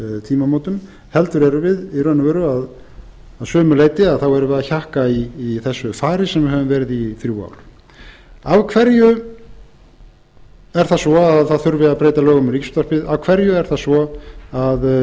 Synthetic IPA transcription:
t̪ʰiːmamoːwt̪ʏm | hɛlt̪ʏɾɛɾʏvɪðiɾœnːavɛɾʏað | aðsœːmʏleːjt̪ɪaðθawɛɾʏvɛɾðaçahkaiːθɛsːʏfaːɾɪsɛmvɪɾhɛvʏmvɛːɾɪðiθɾjuːa̰wɾ̥ | avkʰvɛɾjʏ | ɛɾ̥θasvɔaðθaðθʏɾvɪapɾeːjt̪alœːɣʏmrikst̪ar̥pɪðavkʰvɛɾjʏɛɾ̥θasvɔað

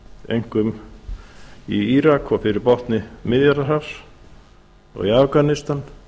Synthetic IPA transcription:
ejŋ̥kʏm | iiɾakʰɔɣfɪɾɪɾpɔht̪nɪmɪðjaɾðaɾafs | ɔ̰ɣiafɣanɪst̪an

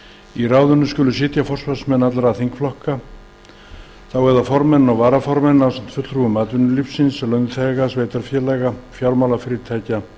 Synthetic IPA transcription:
irawðʏnːʏskcʏlʏs̬ɪːt̪jafɔr̥svasmɛnːat̪lɾaθiŋkflɔhka | θawɛðafɔɾmɛnnawvaːɾafɔɾmɛnnawsam̥t̪fʏt̪l̥ɾuvʏmaːt̪vʏnːʏlifsːɪnslœɥjnθɛɣasveːjt̪aɾfjɛlajɣafjawɾmawlafɪːɾɪɾt̪ʰaːjca

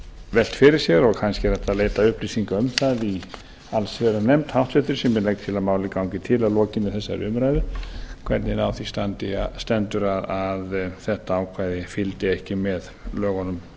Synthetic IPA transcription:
vɛl̥t̪fɪɾɪɾ̥sjɛɾɔɣkʰanscɪɾaht̪aðleːjt̪aʏhplisiŋkaʏmθaði | alsvɛɾanɛmt̪hawht̪fɛht̪ɪɾ̥sɛmːɛnlɛkt̪t̪ʰːɪlaðmaːwlɪkawɲcɪt̪ʰɪlaðlɔːcɪnːɪθɛsːaɾʏ̰mɾajðʏkʰvɛ̰ɾt̪nɪnawθist̪ant̪ɪst̪ɛnt̪ʏɾaðaðθɛht̪aaːwkʰvaːjðɪfɪlt̪ɪɛhcɪmɛðlœːɣɔnʏm

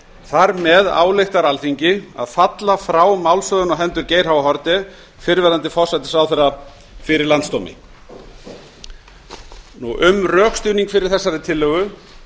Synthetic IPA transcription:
θaɾmɛða̰ːwlejxt̪aɾalθiɲcɪa̰ðfat̪lafɾaːwmawlsœðʏnɔɦɛnt̪ʏɾceːjɾ̥hawvaɦɔɾt̪ɪ | fɪɾvɛɾant̪ɪfɔr̥sajt̪ɪ̥sawθɛrːa | fɪɾɪɾlant̪st̪owmɪ̰ | nuʔʏmrœːxst̪ʏːniŋkfɪɾɪɾ̥θɛsːaɾɪt̪ʰɪlːœːɣʏ

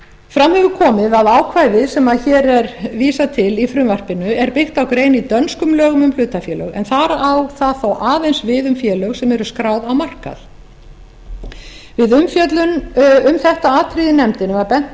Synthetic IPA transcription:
fɾamhɛvʏɾkʰɔːmɪðaðaːwkʰvajðɪsɛmaðçɛːɾɛɾviːsat̪ʰɪlifɾʏmvar̥pɪnʏɛɾpɪxt̪awkɾeːjnit̪œnskʏmlœːɣʏmʏmflʏːt̪afjɛːlœɣɛ̰nθaɾaawθaðθowʔaːðejnsvɪðʏmfjɛːlœɣsɛmɛɾʏskɾaːwðawmar̥ka̰θ | vɪðʏmfjœt̪lʏnʏmθɛht̪aaːt̪ʰɾiðɪnɛmt̪ɪnɪvaɾpɛn̥t̪

